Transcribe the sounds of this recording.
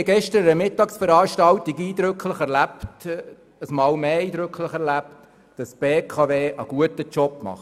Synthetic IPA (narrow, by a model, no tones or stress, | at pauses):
ɡɛʃtəɾəmɪtːɑːksfəɾɑːʃtɑltiɡiːd̪ɾɵkʰləχɛɾlæpt | əsmɑːlmeːiːd̪ɾɵkʰlɪχɛɾlæpt | d̥ɑsb̥eːkʰɑveːʔəɡ̥uətət͡ʃɔpmɑ̰χ